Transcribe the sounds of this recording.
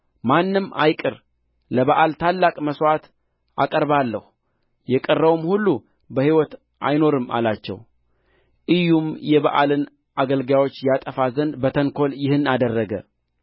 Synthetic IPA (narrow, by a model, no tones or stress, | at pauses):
manːɨma̰jkʼɨɾ | ləβaʔalt̪ʰalːakʼməswat̪ | a̰kʼəɾbalːəhu | jɛkʼərːəwmhulːu | bəhiwɔt̪ | ʔa̰jno̞ɾɨma̰lat͡ʃːɛ̰w | ʔɨjːumjɛbaʔalɨn | ʔaɡəlɡjawo̞t͡ʃːjat̪ʼəfazənd̪bət̪ʰəŋkʰo̞ljɪhɨnːad̪ərːəɡə̰